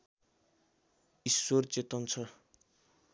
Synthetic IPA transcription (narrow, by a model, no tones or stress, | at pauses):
iswort͡set̪ʌnt͡sʰʌ